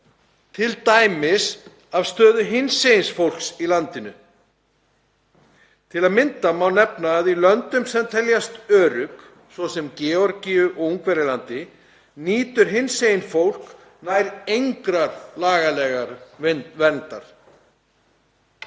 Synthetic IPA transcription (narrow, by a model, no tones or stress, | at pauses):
t̪ʰɪlt̪aːjmɪs | av̥st̪œːðʏɦɪnsejɪnsfowl̥ksilant̪ɪnʏ | t̪ʰɪlaðmɪnt̪amawnɛpnaːðilœnt̪ʏmsɛmt̪ʰɛljast̪œːɾʏk | svɔsɛmcɛːɔɾciʏʔɔuŋkvɛɾɪlant̪ɪ | niːt̪ʏɾ̥ɦɪnsejɪnfowl̥k | najɾejŋkɾaɾlaːɣalɛːɣaɾnvɛnt̪aɾ̥